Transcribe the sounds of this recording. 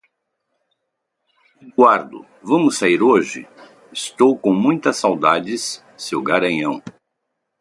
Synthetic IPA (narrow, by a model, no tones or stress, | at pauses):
uɡwaɾd̪ʊ̰ | vɐ̃mʊsaiɾoʒɪ̰ | ɪst̪owkõw̃mũj̃t̪ɐsawd̪ad͡ʒɪs | sewɡaɾɐ̃ɲɐ̃w̃